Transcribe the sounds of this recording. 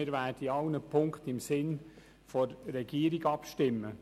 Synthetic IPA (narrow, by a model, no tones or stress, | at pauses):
ɪɾʋæːdiɑʊnəpʰʊŋkχt̪ɪmsɪn | fɔɾːɛɡ̥iːəɾiɡɑpʃtɪmːə